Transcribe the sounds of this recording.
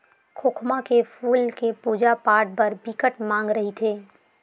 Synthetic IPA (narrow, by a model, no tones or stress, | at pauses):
kʰoːkʰmakepʰuːlkepuːd͡ʒapaːɖ̚pəɾbɪkəʈmãːŋɡɾəɦit̪ʰeː